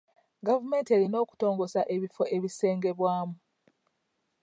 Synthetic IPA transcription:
ɡavume̞ːnteɾino̞ːku̥to̞ːŋɡo̞saʔe̞βifo̞ʔe̞βise̞ːŋɡe̞βwaːmu

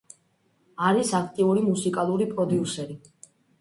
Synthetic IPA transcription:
aɾisakʰt̪ʼiuɾimusikʼalˠuɾipʼɾɔd̪iusɛɾi

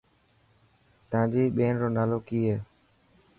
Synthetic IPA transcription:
t̪əãːd͡ʒiːɓeːnɾoːnaːloːkiːeː

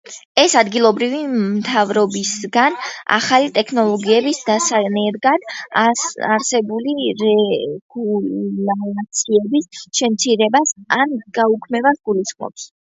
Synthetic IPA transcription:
ɛsad̪ɡilˠɔbɾivimt̪ʰavɾɔbisɡana̰χalit̪ʼɛkʰnɔlˠɔɡiɛbisd̪asanɛɾɡad̪̥ | aɾsɛbuliɾɛɡ̥ulalat̪sʰiɛbisʃɛmt̪sʰiɾɛbasanɡ̥aukʰmɛvasɡulisχmɔ̰ps

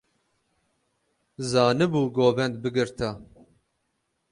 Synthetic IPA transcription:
zɑːnɨbuːɡoːbɛnd̪bɨɡɨɾt̪ʰa

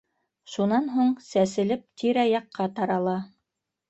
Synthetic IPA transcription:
ʃunɑnɦuɴsæsɘ̆lɘp̚t̪ʰiɾæjɑqʰːɑt̪ɑɾɑlˠɑ

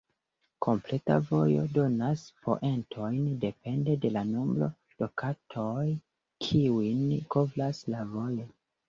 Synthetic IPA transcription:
kʰo̞mple̞ta̰vo̞jo̞̰do̞naspʰo̞̰ʔe̞ntʰo̞jnde̞pe̞nde̞de̞lanomblo̞̰ | d̥o̞kʰatʰoj | kʰiuinkovlaslavo̞jo

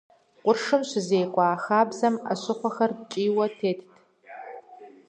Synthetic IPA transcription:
qʷʼʊrʂɨmɕɪzeːkʷʼɑːxaːbzɐma̰ɕɪχʷɔxɐrt͡ʃʼiːwɐtʰeːtʰtʰ

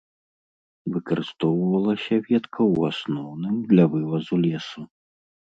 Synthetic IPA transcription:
vɨkɐɾɨst̪ɔwvɐlˠɐsʲɐvʲɛt̪kʰɐwasnɔwnɨmd̪lʲɐvɨvɐzulʲɛsu

